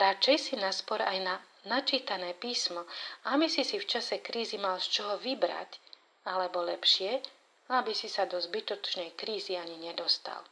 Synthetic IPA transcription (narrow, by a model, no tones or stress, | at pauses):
ɾat͡ʃɛjsinaspɔɾajna | nat͡ʃiːt̪anɛːpiːsmɔabisisift͡ʃasɛkɾiːzimalst͡ʃɔɦɔʋibɾa̰c | alɛbɔlɛpʃɪɛ | abisisad̪ɔzbit̪ɔt͡ʃnɛjkɾiːziaɲiɲɛd̪ɔst̪a̰l